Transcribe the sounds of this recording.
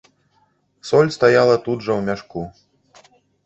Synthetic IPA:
sɔlʲst̪ajalˠɐt̪ud̪ʐɐwmʲaʂku

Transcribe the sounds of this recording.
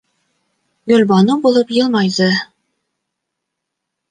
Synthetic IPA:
ɡɵ̆lʲbɑnubulˠɤpjɤ̆lˠmɑjd̪ɤ

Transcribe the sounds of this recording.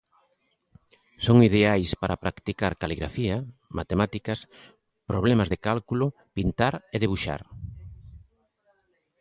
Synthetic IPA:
soŋið̞eajspaɾapɾakt̪ikaɾkaliɣɾafiɐmʔat̪emat̪ikɐs | pɾoβlemazðekalkulʊ | pint̪aɾeðeβuʃa̰ɾ

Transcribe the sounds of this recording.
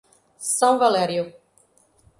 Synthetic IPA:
sɐ̃w̃valɛɾjʊ

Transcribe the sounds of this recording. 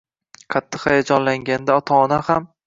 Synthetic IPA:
qʰɑt̪ʰːɨχhajad͡ʒɒnlaŋɡʲand̪aɒt̪ʰɒɒnaham

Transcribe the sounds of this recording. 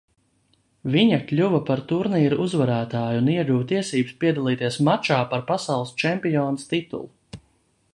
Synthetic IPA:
viɲɐkʎʲuvɐpaɾt̪uɾniːɾuʔuzvaɾæːt̪aːjniɛɡuvt̪iɛsiːbspiɛd̪alˠiːt̪iɛsmat͡ʃaːpaɾpasɑwlˠɨst͡ʃɛmpijɔːnəst̪it̪ṵlˠu

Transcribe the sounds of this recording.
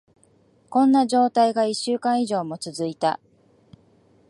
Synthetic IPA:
kõ̞nːaʑo̞ːt̪aiɡaiɕːɨːkãɰ̃iʑo̞ːmo̞t͡sɨzɨit̪a̰

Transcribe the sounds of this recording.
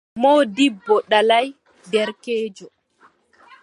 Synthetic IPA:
moːdibːɔɗalaj | dɛɾkeːd͡ʒɔ

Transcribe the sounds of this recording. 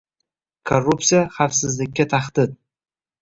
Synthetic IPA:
kʰorup̪̚sijaχafsɨzlɪkʲːat̪ʰaχt̪ʰɨt̪̚

